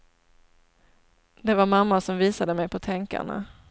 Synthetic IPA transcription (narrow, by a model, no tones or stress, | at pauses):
d̪ɛvaɾmamːaʂɔmviːsad̪əmɛjpʰɔt̪ʰɛŋka̰ɳa̰